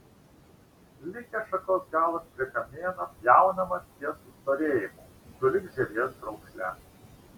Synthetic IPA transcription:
lʲɪkʲɛʃɐkoːsɡɑːlˠɐspʲɾʲɪkɐmʲeːnɐpjæˑʊnɐmɐst̪ʲiɛsʊst̪oɾʲeːjɪmu | d̪ʊlʲɪɡʒʲɛɾʲeɛsɾɐʊksʲlʲæ̰

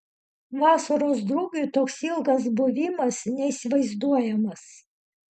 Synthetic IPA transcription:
ʋɑːsɐɾoːsd̪ɾuːɡʲut̪oːksɪlˠɡɐs̬bʊʋʲɪmɐsnʲɛisʲɪʋɐɪzd̪uɔjɛmɐs

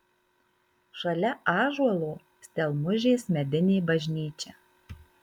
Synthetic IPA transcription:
ʃɐlʲɛʔɑːʒuɔlˠoː | sʲt̪ʲɛlˠmʊʒʲeːsmʲɛd̪ʲɪnʲeːbɐʒʲnʲiːt͡ʃʲɛː

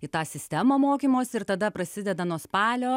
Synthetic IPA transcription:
ɪt̪ɑːsʲɪsʲt̪ʲɛmoːmoːkʲiːmoːsʲɪɾt̪ɐd̪ɐpɾɐsʲɪd̪ʲɛd̪ɐnuɔspɑːlʲoː

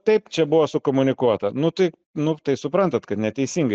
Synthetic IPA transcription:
t̪ɐɪpt͡ʃʲɛbʊʋosʊkoːmʊnʲɪkuɔt̪ɐnʊt̪ɐɪ | nʊt̪ɐɪsʊpɾɐnt̪ɐt̪kɐt̪nʲɛt̪ʲɛɪsʲiːŋɡɐɪ

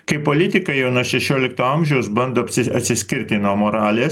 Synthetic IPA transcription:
kɐɪpoːlʲɪt̪ʲɪkɐjɛʊnuɔʃʲɛʃʲoːlʲɪkt̪oːɐmʲʒʲɛʊsbɐnd̪oːpʲsʲɪɐt̪ʲsʲɪsʲkʲɪɾʲt̪ʲɪnoːmoɾɑːlʲes

